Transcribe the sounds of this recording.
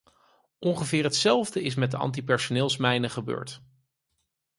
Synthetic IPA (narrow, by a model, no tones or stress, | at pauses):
ʔɔŋχəvɪːɹɦətsɛlˠvdəɪs̬mɛt̚dəɑ̰nt̬ipɛɹsonɪːlˠsmɛjnəχəbø̰ːɹt